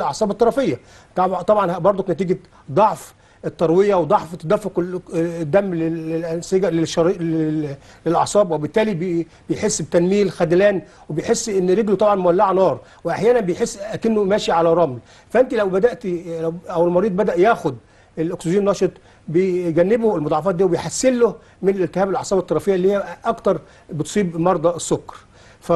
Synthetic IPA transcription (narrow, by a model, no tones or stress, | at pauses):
lʔɑʕsˤɑːbet̪ːɑɾˤɑfejːæ | t̪ɑt̪ˤɑbʕɑnhæbɑɾˤd̪ˤonæt̪iːɡæ | d̪ˤɑʕf | ʔet̪ːɑɾˤwejæwed̪ˤɑʕft̪ːæd̪æfoqld̪ːæmːleelʔænseɡæleʃːɑɾiːʔe | lelʔɑ̰ʕsˤɑːbwebɪt̪ːæːlib | bejħesːbet̪ænmiːlxæd̪læːn | webejħesːʔenːɾeɡlut̪ˤɑbʕɑnmʊwælːaʕnɑːɾˤ | weʔaħjæːnænbejħesːækenːomæːʃiʕalæɾˤɑml | fæʔent̪ilæwbæd̪æʔt̪læwʔæwelmɑɾiːd̪ˤbæd̪æʔjæːxod̪ | elʔokseʒiːnːɑːʃet̪ˤ | bejɡænːɪboelmod̪ˤɑʕɑfɑːd̪iːwebejħasːɪlːo | mɪnelʔelt̪ɪhæːbelʔɑʕsˤɑːbet̪ːɑɾˤɑfejːæʔlːiːejæʔɑkt̪ɑɾˤ | bet̪sˤiːbmɑɾˤd̪ˤɑesːokːɑ̥ɾˤ | fæ